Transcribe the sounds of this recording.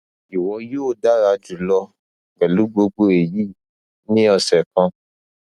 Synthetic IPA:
i˨wɔ̃˧˦joː˦˨da˦ɾa˧d͡ʒu˨lɔ˧˨ | ɡ͡bɛ˨lu˨˦ɡ͡bo˧ɡ͡bo˧e˨ji˦ | nĩ˦ɔ˧sɛ˨kã˧

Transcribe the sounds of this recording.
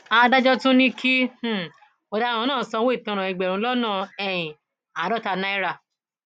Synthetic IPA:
a˧da˦d͡ʒɔ˦tũ˦nĩ˦kʰi˦h̩˨ | ɔ˨dã˦˨ɔ̃˧nãː˦˨sɔ˧˦wo˦˨tɔ̃˧ɾ̃ɔ̃˨i˨ɡ͡bɛ˨ɾũ˧˦lɔ˦nã˦˨ɛ˧jĩ˨ | a˨dɔ˦ta˧nã˦i˦ɾa˧˨

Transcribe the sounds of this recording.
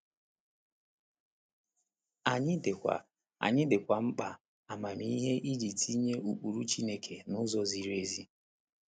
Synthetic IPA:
a˨ɲɪ˦dkʷa̰˨ | a̰˨ɲɪ˦dɪ˨kʷa˨m̩˦k͡pa˨ | a˨ma˨mi˦ɦe˦ʔi˦ɾi˨tʰi˦ɲe˦ʔu˨k͡pu˨ɾu˦t͡ʃi˦ne˦kʰe˨nʊ˦zɔ˦zi˦ɾe˦zi˦

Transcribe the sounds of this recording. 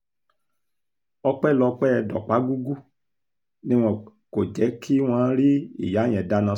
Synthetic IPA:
ɔ˧k͡pɛ˦˨lɔ˧k͡pɛ˦˧dɔ̰˨k͡pa˨˦ɡu˦ɡu˦ | nĩ˦w̃ɔ̃˧ | ko˨d͡ʒɛ˨˦kʰi˦w̃ɔ̃˧˦ɾi˦ḭ˦˨ja˨˦j̃ɛ̃˨da˦nã˧

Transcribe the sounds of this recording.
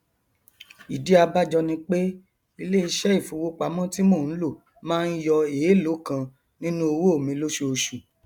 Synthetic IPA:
i˨di˨˦a˧ba˦d͡ʒɔ˧nĩ˧k͡pe˦ | i˧le˦i˧ʃɛ˦i˦˨fu˨˧wo˦k͡pa˨˦mɔ̃˦ti˦mo˦˨ñ̩˨˦lo˦˨ | mãː˦n̩˦jɔ˧e˨˦lo˨˦kã˧ | nĩ˦nũ˦o˧wo˦o˦˨mĩ˧lo˦ʃu˧o˧ʃu˨

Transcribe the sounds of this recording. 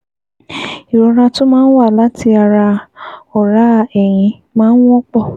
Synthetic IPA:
i˨ɾɔ˨˧ɾa˧to˦mãː˦n̩˦wa˦˨la˨˦ti˧a˧ɾa˧ɔ˦˨ɾa˨˦˧ɛ˨j̃ĩ˧ | mãː˦n̩˦wɔ̃˦k͡pɔ˦˨

